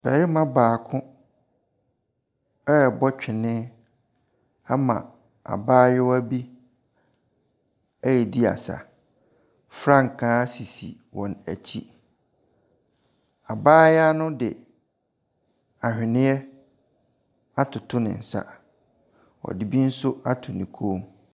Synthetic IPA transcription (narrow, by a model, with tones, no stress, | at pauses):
b̥ɛ˨ɾi˦mã˦baː˨kʰʊ̃˦ | ɛ˦ɛ˨bɔ˦t͡ɕᶣɪ˨nɪ̃˦ | a˦mã̰˨ | a̰˨baː˦jɛ˦wæ˦bi˦ | æ˦jɛ˨di˦a̰˨sa̰˨ | fɾã˦ŋ˨kʰãː˦si˨sḭ˨ | wʔɔ̃˨næ̰˨t͡ɕʰi˦ | a˨baː˦ja˦nʊ̃˦dɪ̰˨ | a˨hᶣɪ˨nɪ̃˦ɛ˦ | a˦tʰʊ˨tʰʊ˦nɪ̰̃˨n̩˨sa̰˦˨ | ɔ̰˨di˨bi˦n̩˦sʊ˦a˦tʰʊ˨nĩ˨kʰo˦m